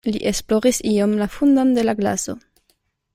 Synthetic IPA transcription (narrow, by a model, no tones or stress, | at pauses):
liʔe̞splo̞ɾisiomlafundonde̞laɡla̰so̞̰